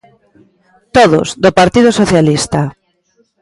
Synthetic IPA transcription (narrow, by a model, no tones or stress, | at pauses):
t̪oðʊ̰zd̪opaɾt̪ið̞ʊsoθjalist̪a